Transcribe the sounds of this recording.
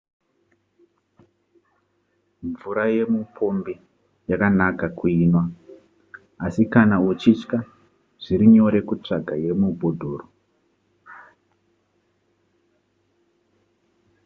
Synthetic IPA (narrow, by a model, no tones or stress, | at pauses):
ɱvuɾaje̞mupʰo̞mbe | jakanakakuiːnwa | asikanaut͡ʃit͡ʃka | ʐ̥iɾiɲo̞ɾe̞kut͡ʂaɡʱaje̞mubʱo̞dʱo̞ːro